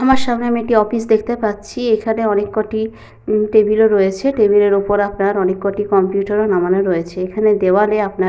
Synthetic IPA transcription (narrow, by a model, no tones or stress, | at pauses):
amaɾʃamneamiekʈiɔfisd̪ekʰt̪epatːɕʰiekʰaneɔnekːoʈi | ʈebiloɾɔjet͡ɕʰeʈebileɾupoɾapnaɾɔnekːoʈikɔmpjuʈaɾonamanoɾɔet͡ɕʰeekʰaned̪eoaleapna